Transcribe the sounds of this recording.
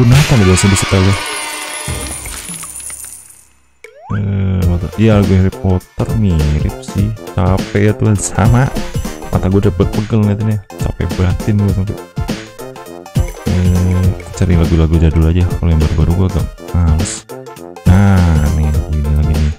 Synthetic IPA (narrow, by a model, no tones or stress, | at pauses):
kunat̪adabasabisət̪alɡa | əpɔt̪ərijalaɡuɾipot̪ərniɾɪ̰p̚sɪhsapɛjat̪uansa̰mama̰t̪aɡuadabərpəɡəlŋɡat̪anta̰pɛ̰bɾat̪ɪnɡuat̪aŋt̪ṵ | ə | t͡ʃaɾɪŋlaɡulaɡud͡ʒadulad͡ʒakolojambərbaɾuɡuaɡap̚as | nanɪlaɡuinilaɡinɪ